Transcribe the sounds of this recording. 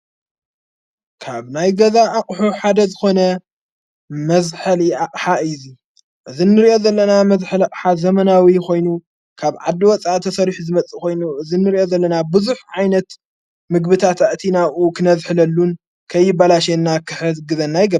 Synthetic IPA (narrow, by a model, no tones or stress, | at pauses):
kʰaβnajɡɐzaʔːqʼħuħad̪ɐzɨxo̞nɐ | mɐzħɐliaqʼħaɨzi | ʔɨzinːɨɾiʔo̞zɐlːɐnamɐzħɨlaqʼħazɐmɐnawikʰo̞jnu | kʰaβʕa̰d̪ːiwɔt͡sʼat̪ʰɐsɐɾiħuzɨmɐt͡sʼikʰo̞jnuʔɨzinːɨɾiʔo̞zɐlːɐnabɨzuħʕajnɐt̪ | mɨɡbɨt̪ʰat̪aʔt̪ʰinaʔukʰɨnɐzħɨlɐlːun | kʰɐjːɪbalaʃ̬enːakʰɨħɨɡɨzɐnːajɡɐb